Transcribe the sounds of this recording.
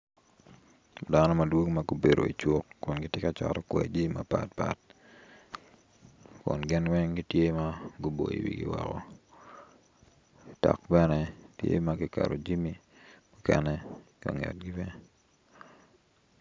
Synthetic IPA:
da˦nɔ˦ma˨dwo˦kmaɡube˨ɾo̰˨i˨t͡ʃu˦t̚kʊ˨nɡɪ˦tje˦ka˦t͡ʃɔ̰˨ɾɔ˦kwɛ˨d͡ʒi˦ma˨pa˦t̚pa˦t̚ | kʊ̰˨nɡɪ˦nwɛ˦ŋɡi˦tje˦maɡu˦bo˨jḭ˨wḭ˨ɡɪ̰˦wɔ˨kɔ˨ | ta˨k̚bɛ˦nɛtjḛ˦maɡɪ˦ka˨ɾo˨d͡ʒi˦mi˦ | mʊ˦kɛ˨nɛ˦ka̰˨ŋɛ̰˨t̚ɡi˦bɛ˦

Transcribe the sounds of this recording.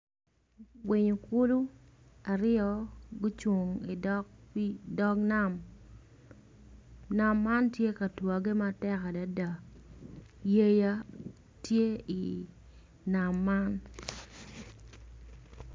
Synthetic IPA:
wi˨ɲo˨ku˦lu˦ | a˨ɾɪɔ˨ɡʊ˦t͡ʃwo˨ŋi˨dɔ˦kdɔ˦kna˦m | na˦mːa˦ntje˦ka˨twa˨ɡe˦matɛ˦ka˨da˨da˨ | je˦ja˦ | tje˦i˨ | na˨mːa˦n

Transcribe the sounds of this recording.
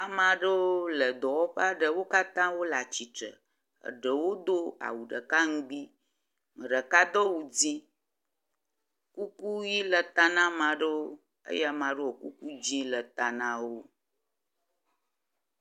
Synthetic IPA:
a˨mã˨ɖə˦wo˦lə˨d̪ɔ˨wɔ˦ɸe˦a˦ɖə˨wo˦ka˦t̪ã˦wo˦la˨t͡ɕi˨t͡ʃə̰˨ | ə̰˨ɖə˨wo˦d̪o˦a̰˨wu˨ɖə˨ka˦ŋ̩˦ɡ͡bi˦ | ŋə˨ɖə˨ka˦d̪ɔ˦wu˨d͡zi˦ | ku˦ku˦ji˦lə˨t̪a˨nã˦mã˨ɖə˦wo˦ | ə̰˦jɛ˦a˨mã˨ɖə˦wo˨ku˦ku˦d͡ʑi˦lə˨t̪a˨nã˦wo˦

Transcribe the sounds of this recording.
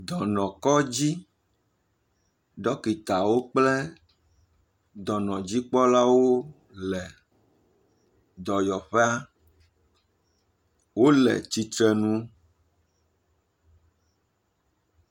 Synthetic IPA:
d̪ɔ˨nɔ̃˨kɔ˦d͡ʑi˦ | ɖɔ˦ki˨t̪a˨wo˦k͡plɛ˦ | d̪ɔ˨nɔ̃˨d͡ʑi˦k͡pɔ˦la˦wo˦ | lɛ˨ | d̪ɔ˨jɔ˨ɸɛ˦a˦ | wo˦lɛ̰˨t͡ɕi˦t̪ɾɛ˦nũ˦

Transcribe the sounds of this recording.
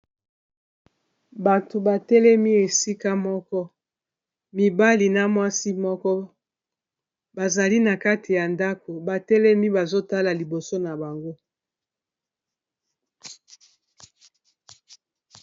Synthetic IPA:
ba˨to˨ba˨tɛ˦lɛ˦mi˦e˨si˦ka˦mɔ˦kɔ˦ | mi˨ba˦li˨na˨mwa˦si˦mɔ˦kɔ˦ | ba˨za˨li˦na˨ka˦tʰi˨ja˨nda˦ko˨ba˨tɛ˦lɛ˦mi˦ba˨zo˦ta˦la˨li˨bo˨so˦na˨ba˨ŋɡo˦

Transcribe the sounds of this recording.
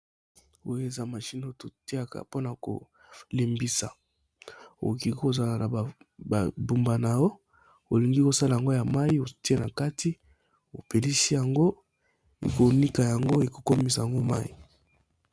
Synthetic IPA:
o˦je˨za˨ma˨ʃi˦n˨o˦to˨ti˦a˦˨ka̰˨po˦na˨ko̰˨ | le˨mbi˦sa̰˨ | o̰˨ki˨˦ko˨za˨la˨na˨ba˨bu˨mba˨na˨jo˦ | o˨li˨ŋɡi˦ko˨sa˦la˨a˨ŋɡo˦ja˨ma˦i˦o˨ti˦e˦na˨ka˦ti˦ | o̰˨pe˨li˦si˦ja˨ŋɡo˦ | ḛ˨ko˨ni˦ka˨ja˨ŋɡo˦e˨ko˨ko˦mi˨sa˨ja˨ŋɡo˦ma̰˦ḭ˨

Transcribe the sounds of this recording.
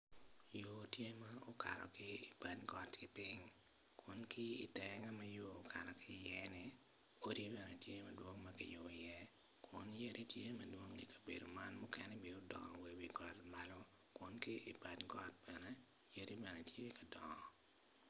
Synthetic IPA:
jo˨tje˦mao˦ka̰˨ɾɔ̰˨kɪ˦i˨pa˨dɡɔ˦tkɪ˦pɪŋ | kʰʊ˦nkɪ˦ḭ˨tɛ˦ŋa˦mɐ˦joː˦kʰa˨ɾɔ˨kɪjɛ˦nɪ | o˦ɾi˦bɛ˨nɛ˨tje˦mɐ˨dwo˦ŋmɐkɪ̰˨jo˨i˨jɛ˦ | kʰʊ˦nje˦ɾʔi˦tje˦mɐdwo˦ŋḭ˨kɐ̥˨bḛ˨do˨manmʊkɛ˦nɛ˦bi˨o˦dɔ̰˨ŋɔ̰˨we˨wi˦ɡɔ˨lmalɔ˦ | kʊ˦nkɪ˦ʔi˨pa˨dɡɔ˦t̚b̥ɛnɛ˦ | je˦ɾi˦bɛ˨nɛ˨tʰje˦ka˨dɔ˨ŋɔ˨

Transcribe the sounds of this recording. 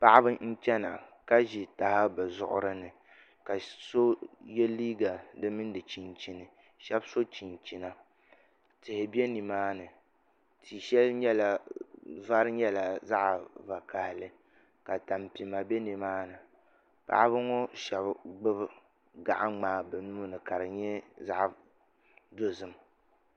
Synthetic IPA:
pa˦ʔa˦bɨ˦n̩˦t͡ʃɛ˦na̰˨ka˦ʒi˨ta˨ha˦bɨ˨zʊ̰˨ʔʊ̰˦ɾɨ˦nɨ˨ | ka˨so˦jɛ˦liː˦ɡa˨dɨ˦mɨ˦n˦dɨ˨t͡ʃi˨nt͡ʃi˨nɨ˨ | ʃɛ˦bso˦t͡ʃi˨nt͡ʃi˨na˨ | tɪ˨hɪ˨bi˦ɛ˦ni˨maː˦nɨ˨ | tʰi˨ʃɛ˦lɲɛ˦la˨ | va˦ɾɨ˦ɲɛ˦la˨za˦ʔva˨ka˨hlɨ˨ | ka˨ta˨mpi˨ma˨bɛ˦ni˨maː˦nɨ˨ | pa̰˦ʔbɨ˦ŋɔ˦ʃɛ˨bɡ͡bɨ˦b | ɡa̰˨ʔa˦ŋ͡maː˦˨bɛ˨nuː˦nɨ˨ka˨ɾɨ˨ɲɛ˦za˦ʔ | do˦zɨ˦˨m

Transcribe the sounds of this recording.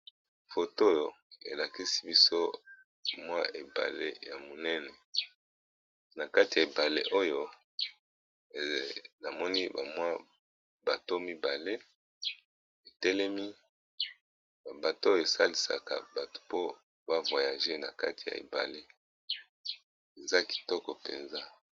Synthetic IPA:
fo˨to˦jo˨ | ḛ˨la˨ki˦si̥˦bi˦so˦ | mwa˦ʔe˨ba̰˨lḛ˦ja˨mo˨nɛ˦nɛ˨ | na˨ka˦ti˨a˨e˨ba˨le˦ʔo˦jo˦˨ | na˨mɔ˦ni˦ba̰˨mwa˦ | ba˨to˦mi˦ba˨le˦ | e˨tɛ˦lɛ˦mi˦ | ba˨ba˨to˦e˨sa̰˦li˨sa̰˨ka̰˨ba˨tu̥˨po˦ | ba˦vwa˨ja˨ʒe˦na˨ka̰˦ti˨ja̰˨ḛ˨ba̰˨le˦ | e˨za˦ki̥˨tɔ˦kɔ˨pḛ˨nza˦

